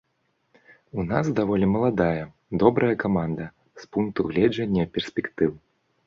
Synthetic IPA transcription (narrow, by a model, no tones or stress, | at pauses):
unasd̪avɔlʲimɐlˠad̪ajɐ | d̪ɔbɾɐjɐkamand̪ɐ | spunk̚t̪uɣlʲɛd͡ʐɐnʲːɐpʲɛrsʲpʲɛkt̪ɨw